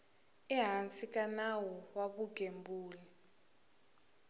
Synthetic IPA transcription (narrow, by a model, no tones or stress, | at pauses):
ɛɦant͡sʼikʼanawɔwaβuɡʱembuːlɛ